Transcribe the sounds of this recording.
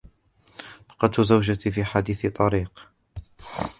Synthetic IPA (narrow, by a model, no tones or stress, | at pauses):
bɑ̥qɑt̪ːʊzawd͡ʒat̪ifiːħad̪iːθt̪ˤɑɾiːq